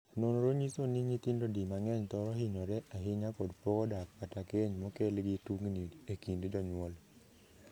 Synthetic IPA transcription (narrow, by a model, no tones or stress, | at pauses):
nonɾoɲisoniɲit̪indodimaŋɛɲt̪ɔɾɔɦiɲɔɾɛʔaɦɪɲakodpɔkɔdak̚patakeɲmɔkɛlɡɪtuŋniekindd͡ʒɔɲwɔl